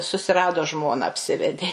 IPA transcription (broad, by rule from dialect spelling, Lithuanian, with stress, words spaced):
sʊsʲɪˈrɑːdoː ˈʒmoːnɐ ɐpʲˈsʲɪʋʲɛdʲeː